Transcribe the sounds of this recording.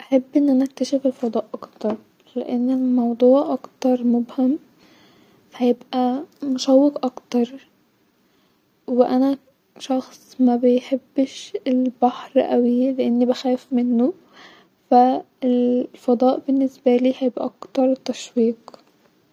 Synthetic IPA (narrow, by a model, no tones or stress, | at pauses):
ʔaħabːʔɪnːʔanaʔak̚t̪aʃɪfɪlfɑd̪ˤɑːʔʔɑkt̪ɑɾˤ | lɪʔɪnːɪlmɑwd̪ˤuːʕʔɑkt̪ɑɾˤmʊbham | hajɪbʔamʊʃawːɪqʔɑkt̪ɑɾˤ | wɪʔana | ʃɑxsˤmabɪjħɪbːɪʃɪlbaħɾˤʔawilɪʔɪnːibaxæːfmɪnːʊ | fa | ɪlfɑd̪ˤɑːʔbɪnːɪsbaliːhajɪbʔa̰ʔɑkt̪ɑɾˤt̪ːaʃwiːq